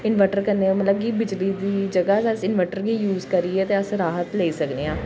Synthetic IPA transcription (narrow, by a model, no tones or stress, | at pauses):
ɪnʋɛʈəɾkəɾneːaːmət̪ləb̚kiːbɪd͡ʒliːd̪iːd͡ʒəɡaːsəsɪnʋɛːʈəɾɦiːjuːzkəɾiːɛːt̪eːəsɾaːɦət̪leːsəkneːãː